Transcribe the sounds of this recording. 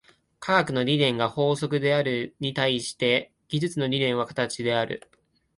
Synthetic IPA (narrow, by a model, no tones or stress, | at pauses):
kʰaɡakɯ̟no̞ɾʲid̪ẽ̞ŋɡaho̞ːso̞kɯ̟d̪e̞aɾɯ̟ɲ̟it̪aiɕi̥t̪e̞ | ɡʲizɨt͡sɨno̞ɾʲid̪ẽ̞ɰ̃βakḁt̪at͡ɕid̪e̞aɾɯ̟̰